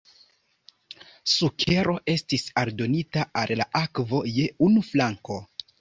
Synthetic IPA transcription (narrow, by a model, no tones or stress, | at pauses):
sukʰe̞ɾo̞ʔe̞stisaldo̞nitaalla̰ʔakvo̞jeunuflaŋko̞